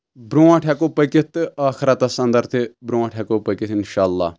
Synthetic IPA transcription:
bɾuːãːʈʰɛkopəkit̪aːxɾat̪asɐ̃nd̪ɐɾt̪ʰibɾuːãʈʰɛkopəkit̪ɪnʃaːlːa̰ː

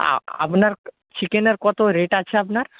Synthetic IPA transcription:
a̰a̰pnaɾ | t͡ɕikeneɾkɔt̪oɾeʈat͡ɕʰeapnaɾ

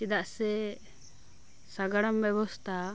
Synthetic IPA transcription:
t͡ʃid̪aʔsɛ | saɡaɽambɛbɔst̪ʰa

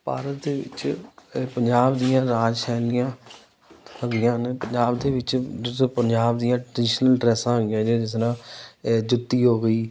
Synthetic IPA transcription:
pa̰ːɾət̪̚d̪eːʋɪ̰t͡ʃ | pəɲd͡ʒaːbd̪ijãːɾaːd͡ʒsʰɛːlɪjãː | əɡɪjãːnepəɲd͡ʒaːbd̪eːʋɪt͡ʃt̪ːpəɲd͡ʒaːbd̪ijãːʈɾəɾəɖɪʃnəlɖɾɛːsãːɦoɡɪjãːd͡ʒeːd͡ʒɪsɾãːd͡ʒʊt̪ːiːɦoːɡəiː

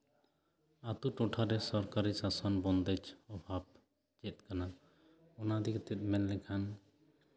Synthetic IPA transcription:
at̪uʈoʈʰaɾɛsɔɾkaɾisasɔnbɔnd̪ɛt͡ʃɔbʱab | t͡ʃɛt̪̚kana | ɔnad̪ikt̪ɛt̪̚mɛlːɛkʰan

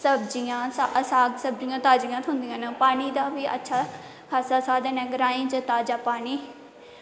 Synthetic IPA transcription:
səbd͡ʒɪjãːsasaːɡsəbd͡ʒɪjãːt̪aːd͡ʒɪjãːt̪ʰʊ̃nd̪ijãːnapaːɳiːd̪aːʋiːʔə̰tːʃʰaː | kʰaːsaːsaːd̪ɛ̃ːnɛ̃ːɡəɾaːĩːt͡ʃət̪aːd͡ʒaːpaːɳiː

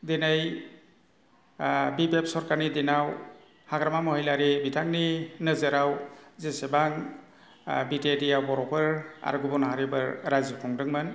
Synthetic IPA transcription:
denaj | bibep̚sɔɾkaɾnidenaw | haɡɾamamɔɦijlaɾibitʰaŋ̚ninɯzɯɾawzesebaŋ | bitedijawbɔɾɔpʰɯɾa̰ɾɡubɔnɦaɾibɯɾɾazikʰɔŋdɯŋmɯn

